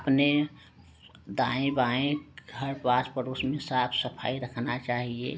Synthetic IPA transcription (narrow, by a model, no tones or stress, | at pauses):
əpne | d̪ãːẽbaːẽɡʱəɾpaːt͡ʃpəɾʊsmẽsaːpʰsəpʰa̰ːiɾəkʰnat͡ʃaːɦiḛ